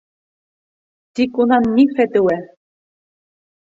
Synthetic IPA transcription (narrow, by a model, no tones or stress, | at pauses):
t̪ikunɑnːifɛt̪ɘwæ